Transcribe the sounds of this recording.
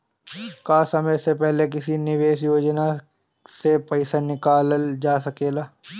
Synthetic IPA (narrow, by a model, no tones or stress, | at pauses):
kaːsɐməjsepɛɦlek̬ɪsinɪʋeːʃjoːd͡ʒna | sepɐɪsanɪkaːləld͡ʒaːsɐkeːlaː